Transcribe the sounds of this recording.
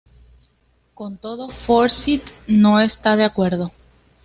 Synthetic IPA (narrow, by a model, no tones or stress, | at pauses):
ko̞nt̪o̞ðo̞foɾsit̪no̞est̪aðeakwe̞ɾðo̞